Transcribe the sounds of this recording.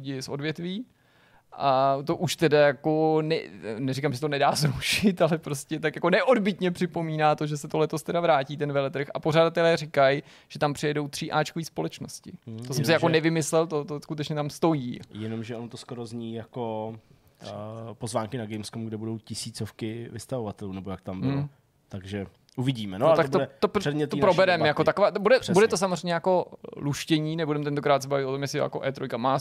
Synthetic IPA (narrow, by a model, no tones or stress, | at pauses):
ɟɪsʔo̞̰dvjɛt̪viː | ʔat̪o̞ʔuʃt̪ɛdajako̞nɛnɛɾikamʒɛsɛt̪onɛdaːzɾuʃɪt̪alɛpɾoscɛt̪akjako̞nɛʔo̞dbɪt̪ɲɛpr̝̥ɪpo̞miːnaːt̪o̞ʒɛsɛt̪olɛt̪o̞st̪ɛdavɾaːciːt̪ɛnvɛlɛt̪r̩xa̰po̞r̝adat̪ɛlɛːrɪkaj | ʒ̥ɛt̪ampr̥ɪjɛdo̞wt̪r̝̥ɪʔaːt͡ʃkoviːspo̞lɛt͡ʃnoscɪt̪osɛmsɪjakonɛvɪmɪslɛlt̪ot̪oskut̪ɛt͡ʃɲɛt̪amst̪o̞jiːjɛnomʒɛont̪oskoɾozɲiːjako | pozvaːŋkɪnaɡɛjmskomɡdɛbudo̞wcɪsiːt͡sofkɪvɪst̪avovat̪ɛluːnɛbojakt̪ambɪ | t̪aɡʒɛ | ʔuvɪɟiːmɛnot̪akt̪oɛt̪opɛd̪ɲɛt̪oipɾobɛɾɛmjakot̪akovaːt̪budɛbudɛt̪os̬amozr̝ɛjɲɛjako̞luʃcɛɲiːnɛbudɛmt̪ɛnt̪okɾaːt̪s̬ɛbavɪt̪ot̪o̞mjɛsɪ̰ja̰koʔɛːt̪ɾojkamaː